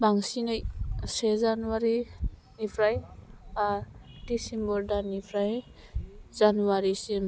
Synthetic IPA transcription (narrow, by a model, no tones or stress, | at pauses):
baŋsinajsezanuwaɾi | nipʰɾajadisimbɔɾdanipʰɾaj | zanuwaɾisim